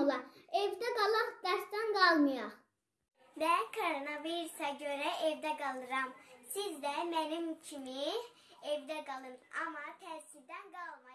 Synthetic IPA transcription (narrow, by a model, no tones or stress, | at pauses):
lˠɑevd̪æɡɑlˠɑχd̪ɑʃd̪ɑnɡɑlˠmɯjɑ | vækʰoɾonɑviɾusɑɟøɾæʔevd̪æɡɑlˠɯɾɑmsizd̪æmænimcʰimi | evd̪æɡɑlˠɯnɑmɑt̪ʰæɾsiɾd̪ænɡɑlˠmɑ